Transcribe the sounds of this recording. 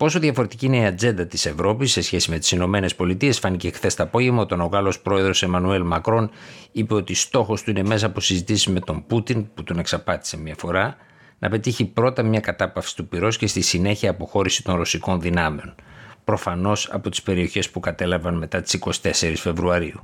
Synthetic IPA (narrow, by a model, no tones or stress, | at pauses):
po̞so̞ðjʝɐfo̞ɾe̞t̪i̥ciine̞iɐd͡ze̞nd̪ɐt̪ise̞vɾo̞pisːe̞sçe̞sime̞t̪i̥sino̞me̞ne̞spo̞lit̪iesfɐnicexθe̞st̪ɐːpo̞ʝemɐot̪o̞no̞ɣɐlo̞spɾo̞e̞ðɾo̞se̞mɐnue̞lmɐkɾo̞nipe̞o̞t̪ist̪o̞xo̞st̪uine̞me̞s̬ɐːposizit̪isizme̞t̪o̞mbut̪input̪one̞ksɐpɐt̪i̥se̞mɲɐfo̞ɾɐ | nʔɐ̰pet̪içipɾo̞t̪ɐmɲɐkɐt̪ɐpɐfsi̥t̪upiɾo̞sce̞st̪isine̞çiɐːpo̞xo̞ɾisi̥t̪o̞nɾo̞siko̞nðinɐme̞o̞npɾo̞fɐno̞sɐ̰po̞t̪ispe̞ɾio̞çe̞spukɐt̪e̞lɐvɐnme̞t̪ɐt̪i̥siko̞si̥t̪e̞se̞ɾisfe̞vɾuɐɾiu